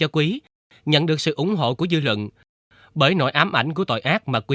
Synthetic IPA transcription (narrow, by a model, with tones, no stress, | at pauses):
ɔ˧kwi˨˦ | ɲə̰˧˨nɗɨ˨˩ək̚sɨ̰˧˨ʔʊ˧˩˦ŋ͡mɦo̰˧˨ku˧˩əzɨ˧lwə̰˧˨n | ɓəː˧˩jno̰˧˨˦jʔaː˨˦mʔa˧˩jŋ̟k̬u˧˩ət̪o̰˧˨jʔaː˦˥k̚maː˨˩kwi˨˦